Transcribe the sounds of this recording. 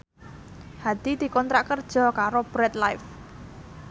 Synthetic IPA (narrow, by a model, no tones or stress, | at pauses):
had̪̥i̤d̪̥i̤kɔnt̪ɾaʔkərd̥ʒ̥ɔ̤kaɾob̥ɾɛt̪lajf